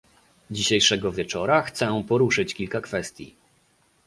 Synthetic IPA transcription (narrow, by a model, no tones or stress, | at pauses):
d͡ʑiɕejʂɛɡɔvʲjɛt͡ʂɔɾaxt̪sɛ̃pɔɾuʂɘt͡ɕkʲilkakfɛst̪ʲjḭ